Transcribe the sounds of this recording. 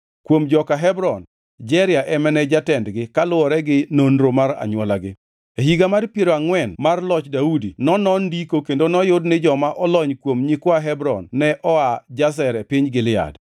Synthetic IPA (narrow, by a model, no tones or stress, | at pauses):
kwomd͡ʒɔkaɦɛbɾɔn | d͡ʒɛɾɪaʔɛmɛnɛd͡ʒatɛndɡɪkalʊɔɾɛɡɪnonɾomaɾa̰ɲwɔlaɡɪ | eɦiɡamarpjeɾoaŋwɛnmarlɔt͡ʃdaudinɔnɔndikokendonɔjʊdnɪd͡ʒɔmaʔɔlɔɲkwomɲikwaɦɛbɾɔ̰nːɛʔɔad͡ʒas̬ɛɾɛpiɲɡɪlɪa̰d